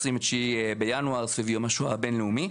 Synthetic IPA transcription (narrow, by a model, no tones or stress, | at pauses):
simet͡ʃibejanwaʁsfevijomaʃuabenleumi